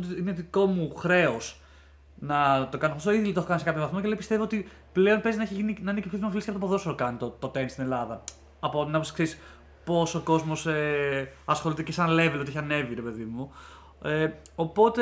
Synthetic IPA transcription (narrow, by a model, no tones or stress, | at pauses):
t̪ineðiko̞muxɾe̞os | nɐt̪o̞kɐnofostoiðilit̪oeokɐniskɐpçovɐθmo̞celeipist̪evoot̪i | pleo̞npezinɐeçiʝininɐinecepçoðimofiliskeɐpot̪op̬oðo̞sotokɐnit̪ot̪o̞t̪e̞nst̪ine̞lɐðɐ | ɐpot̪inɐposkseɾis | po̞soko̞zmo̞seɐsxo̞lit̪ecesɐnle̞velot̪eçiɐne̞viɾepe̞ðimu | eopo̞t̪e